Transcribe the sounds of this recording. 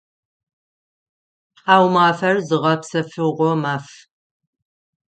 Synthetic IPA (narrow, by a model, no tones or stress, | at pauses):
ħaːwmaːfɐrzɨʁɐpsɐfɨʁʷɔmaːf